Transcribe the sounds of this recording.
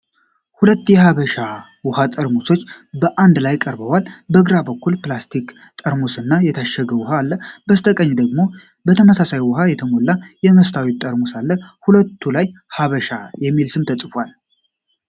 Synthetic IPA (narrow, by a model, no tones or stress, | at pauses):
hulət̪ːjɛhaβəʃa | wɔhat̪ʼəɾmoso̞t͡ʃːbəʔand̪lajkʼəɾbəwalbəɡɾabəkːulplast̪ʰik | t̪ʼəɾmosɨnːajɛt̪ʰaʃɛɡəwʊɦaːlːəbəst̪ʰəkʼəɲːd̪əɡmo̞ | bət̪ʰəməsasajwɔɦajɛt̪ʰəmo̞lːajɛməst̪ʰawit̪ʼəɾmosalːəhulət̪ʰːulaj | haβəʃajɛmːilsɨmt̪ʰəsʼfwal